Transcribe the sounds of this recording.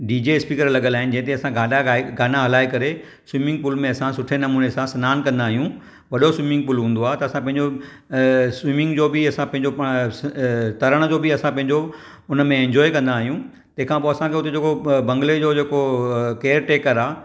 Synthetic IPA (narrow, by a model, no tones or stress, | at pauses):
ɖiːd͡ʑespiːkəɾlɐɠəlaːɦɪnɪd͡ʑɐ̃ɦt̪̬eɐsãɡaːnaɡaːnaɦɐlaːekɐɾe | swiːmɪ̃ŋɡ̚pulmẽɐsãsʊʈʰenɐmuːnesãsɐnaːnkɐ̃nd̪aːɦijũ | ʋɐɗoswimɪ̃ŋɡ̚pʊːlɦũːn̆d̪oaːɦet̪ɐːsãpɐ̃ɦɪ̃ɲd͡ʑo | swimɪ̃ŋɡd͡ʑoːbɪɐsãpɐ̃ɦɪ̃ɲd͡ʑo | t̪ɐɾəɽ̃d͡ʑoːbɪɐsãpɐ̃ɦɪ̃ɲd͡ʑo | ʊnəmẽɛ̃ɲd͡ʑɔːekɐ̃nd̪aːɦijũ | t̪ɐ̃ɦɪ̃kʰãpoːɐsãkʰeʊt̪ed͡ʑeːkobɐ̃ŋɡled͡ʑoːd͡ʑeːkokeːəɾʈeːkəɾaː